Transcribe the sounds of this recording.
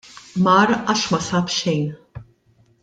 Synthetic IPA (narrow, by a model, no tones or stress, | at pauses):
mɐːɾɐːʃmɐsɐːpʃɛjn